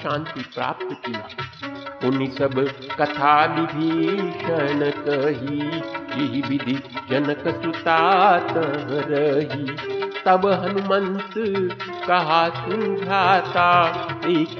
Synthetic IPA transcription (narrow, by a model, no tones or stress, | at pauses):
ʃãːnt̪ipɾa̰ːp̚t̪ək̪iː | ʊnisɐbʱkɐt̪ʰaːbid̪ʱiʃɐnəkəɦijeɦibid̪ʱid͡ʒɐnəksut̪aːt̪ɐɦə̃ɾɐɦit̪ɐbɦɐnumɐnt̪ɨkɐɦasud͡ʒʱaːt̪aːe